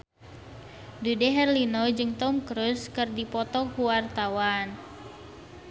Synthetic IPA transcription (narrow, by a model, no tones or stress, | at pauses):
dudɛɦɛrlinɔd͡ʒɨŋt̪ɔmkɾuskɨrdipɔt̪ɔkuwart̪awan